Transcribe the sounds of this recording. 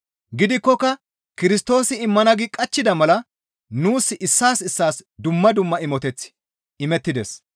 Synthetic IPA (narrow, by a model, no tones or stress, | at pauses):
ɡɪd̪ɪkːɔkːɐ | kɪɾɪst̪o̞ːsɪɪmːɐnɐɡɪkʼɐt͡ʃːɪd̪ɐmɐlɐ | nuːsːɪʔɪsːaːsɪsːaːsd̪ʊmːɐd̪ʊmːɐɪmɔt̪ɛt͡sːɪ̥ | ɪmɛt̪ːɪd̪ɛ̰s